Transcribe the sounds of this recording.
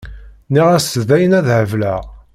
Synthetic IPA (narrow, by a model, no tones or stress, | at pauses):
niʁæsðæjənæðhəvlæ